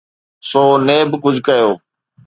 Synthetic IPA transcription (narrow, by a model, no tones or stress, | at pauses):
soːneːbkʊd͡ʒʱkəjoː